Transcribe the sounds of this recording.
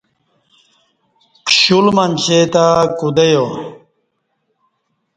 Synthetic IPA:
kʰɕulmɐnɕet̪akud̪ejo

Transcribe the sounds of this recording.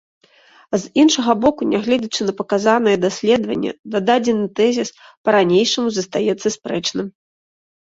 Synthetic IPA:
zinʂɐɣɐbɔkunʲaɣlʲɛd͡zʲɐt͡ʂɨnɐpɐkazan̪ɐjɛd̪asʲlʲɛd̪vɐnʲːɛ̰d̪ad̪ad͡zʲɛnɨt̪ɛzʲispɐɾanʲejʂɐmuzɐst̪ajɛt̪sːɐspɾɛt͡ʂnɨm

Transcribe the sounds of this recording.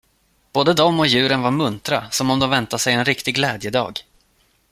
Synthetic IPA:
b̥oːd̪əd̪ɔmːɔjʉ̟ːɾənvaɾmɵnt̪ɾasɔmɔmd̪ɔmvɛnt̪asɛjɛnɾɪkt̪ɪɡlɛːd̪jəd̪ɑ̰ːɡ

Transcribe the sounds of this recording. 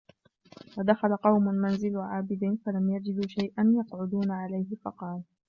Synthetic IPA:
wad̪axalaqɑwmʊmanzɪlʕaːbɪd̪ɪfalamjad͡ʒɪd̪ʃajʔanjɑqʕʊd̪uːnaʕalajhɪfɑ̰qɑːl

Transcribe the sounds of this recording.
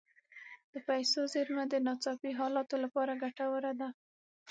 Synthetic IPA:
d̪̥əpajsozeɾmad̪ənɑt͡sɑpiɦɑlɑt̪olapɑɾaɡaʈawəɾad̪a

